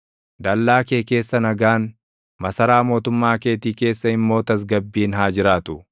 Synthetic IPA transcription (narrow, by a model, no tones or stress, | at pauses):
d̪ɐlːaːkeːke̞ːsːɐnɐɡaːn | mɐsɐɾaːmo̞ːt̪ʊmːaːkeːt̪iːke̞ːsːɐɪmːo̞ːt̪ɐs̬ɡɐbːiːnɦaːd͡ʒɪɾaːt̪ʊ